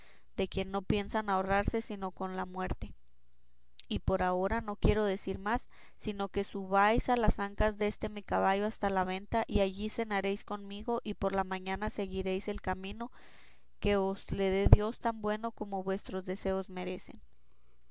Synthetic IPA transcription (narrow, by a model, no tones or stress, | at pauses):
d̪e̞kje̞nːo̞pje̞nsanao̞raɾse̞sino̞ko̞nlamwe̞ɾt̪e̞ | ipo̞ɾao̞ɾano̞kje̞ɾo̞ð̞e̞siɾmasː | ino̞ke̞suβajsalasaŋkazðeest̪e̞mikaβ̞aʝo̞ast̪alaβe̞nt̪aʔiaʝise̞naɾe̞jsko̞nmiɣo̞ʔipo̞ɾlamãɲanase̞ɣiɾe̞jse̞lkamĩno̞ | ke̞ozle̞ðe̞ðjo̞st̪ambwe̞no̞ko̞mo̞βwe̞st̪ɾo̞zðe̞se̞o̞zme̞ɾe̞se̞̰n